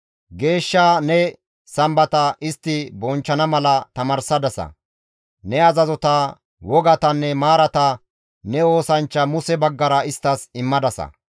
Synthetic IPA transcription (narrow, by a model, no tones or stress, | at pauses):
ɡe̞ːʃːaːnɛ | sɐmbɐt̪ɐʔɪst̪ːɪbɔnt͡ʃːɐnɐmɐlɐt̪ɐmɐɾsɐd̪ɐsɐ̰ | nɛɐzɐzɔt̪ɐ | wɔɡɐt̪ɐnːɛmaːɾɐt̪ɐ | nɛo̞ːsɐnt͡ʃːɐmʊsɛbɐɡːɐɾɐɪst̪ːɐsɪmːɐd̪ɐsɐ̰